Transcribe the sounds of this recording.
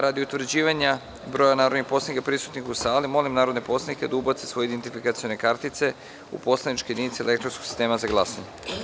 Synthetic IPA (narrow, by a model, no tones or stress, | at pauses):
ɾad̪iut̪ʋɾ̩d͡ʑiːʋaɲa | bɾo̞janaːɾo̞d̪nixpo̞slanikapɾisut̪nixusaːlimo̞limnaːɾod̪nepo̞slaniked̪aubat̪sesʋo̞jeid̪ent̪ifikat̪sio̞nekaɾt̪it̪se̞ | ṵpo̞slenit͡ʃkojed̪init̪siele̞kt̪ɾonsko̥si̥st̪e̞ːmazaɡlˠasaɲe